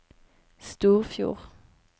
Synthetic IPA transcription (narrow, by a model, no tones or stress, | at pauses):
st̪uːʁfjṵːʁ